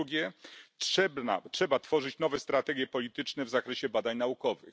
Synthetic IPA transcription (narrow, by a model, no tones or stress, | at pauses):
uɡʲɛtʂɛbna̰tʂɛbat̪fɔʐɘt͡ɕnɔvɛst̪ɾat̪ɛɡʲjɛpɔlʲit̪ɘt͡ʂnɛvzakɾɛɕɛbad̪aɲnaukɔvɘ̰x